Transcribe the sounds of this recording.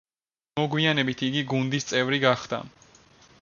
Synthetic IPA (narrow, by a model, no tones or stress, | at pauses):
mɔɡwianɛbit̪ʰiɡiɡund̪ist̪sʼɛvɾiɡaχd̪̥a̰